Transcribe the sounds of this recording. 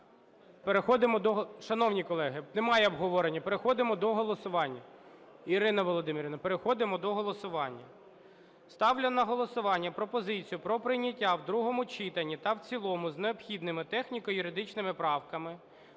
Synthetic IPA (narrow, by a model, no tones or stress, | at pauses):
peɾexɔd̪ɪmɔd̪ɔʃɐnɔwnʲikɔlˠɛɦɪnemɑjɛɔbɦɔʋɔɾenʲːɐpe̞ɾexɔd̪ɪmɔd̪ɔɦɔlˠɔsʊʋɑnʲːɐ | iɾɪnɐʋɔlˠɔd̪ɪmʲɪɾʲɪnɐpe̞ɾexɔd̪ɪmɔd̪ɔɦɔlˠɔsʊʋɑnʲːɐ | st̪ɑwlʲɐnɐɦɔlˠɔsʊʋɑnʲːɐpɾɔpɔzɪt͡sʲijʊpɾɔpɾɪjnʲːɐtʲːawd̪ɾuɦɔmʊt͡ʃɪt̪ɐnʲːit̪ɐwt͡sʲilˠɔmʊzneɔpxʲid̪nɪmɪt̪ɛxnʲikɔjʊɾɪd̪ɪt͡ʃnɪmɪpɾɑwkɐmɪ